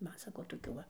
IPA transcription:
ˈmɐn ˈsɑːkoː toːˈkʲuː ˈʋɐ

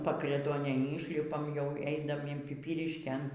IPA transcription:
pɐkrʲɛˈtuɔnʲeːj ˈiːʃʲlʲɪpɐm jɛʊ ˈɛɪnɐm ɪn pʲɪˈpʲiːrʲɪʃʲkʲeːn

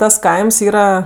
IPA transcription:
tɐs ˈkɐɪms ˈiːrɐ

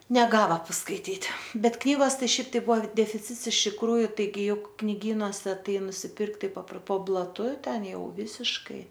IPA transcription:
nʲɛˈɡɑːʋɐ pɐskɐɪˈtʲiːtʲ ˈbʲɛt ˈknʲiːɡoːs ˈtɐɪ ˈʃʲɛɪp tɐɪ ˈbʊʋoː dʲɛfʲɪˈt͡sʲɪts ɪʃ tʲɪkˈruːjʊ tɐɪˈɡʲɪ ˈjʊk knʲɪˈɡʲiːnuɔsʲɛ ˈtɐɪ nʊsʲɪˈpʲɪrkt ˈtɐɪ pɐpr poː blˠɐˈtʊ ˈtʲɛn ˈjɛʊ ˈʋʲɪsʲɪʃkɐɪ

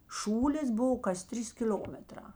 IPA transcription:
ˈʃuːlʲeːs ˈbʊʋoː kɐs ˈtʲrʲiːs kʲɪˈlʲoːmʲɛˌtrɑː

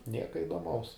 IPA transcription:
ˈnʲiɛkɐ ɪdoːˈmɐʊs

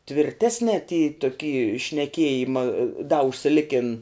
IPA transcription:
tʲʋʲɪrʲˈtʲæːsʲnʲɛ tʲiː toːˈkʲiː ʃʲnʲɛˈkʲiɛjɪmɐ dɐ ʊʃʲsʲɪˈlʲɪkʲɪn

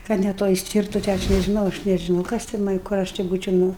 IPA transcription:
ˈkɐt nʲɛ ˈtoːj ˈsʲtʲiːrtʊ tʲeː ˈɐʃ nʲɛʒʲɪˈnɐʊ ɐʃ nʲɛʒʲɪˈnɐʊ ˈkɐs tʲɛn mɐn ˈkʊr ɐʃ tʲɪ ˈbuːt͡ʃʲɛʊ ˈnʊ

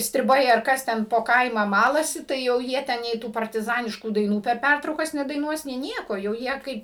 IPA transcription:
sʲtʲrʲɪˈbɐɪ ɐr ˈkɐs tʲɛn poː ˈkɐɪmɑː ˈmɑːlˠɐsʲɪ ˈtɐɪ jɛʊ ˈjiɛ ˈtʲɛn nʲɛɪ ˈtuː pɐrʲtʲɪˈzɑːnʲɪʃkuː dɐɪˈnuː pʲɛr ˈpʲærtrɐʊkɐs nʲɛdɐɪˈnuɔs nʲɛɪ ˈnʲiɛkoː jɛʊ ˈjiɛ ˈkɐɪp

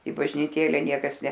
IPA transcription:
ɪ bɐʒʲnʲiːˈtʲeːlʲɛ ˈnʲiɛkɐs nʲɛ

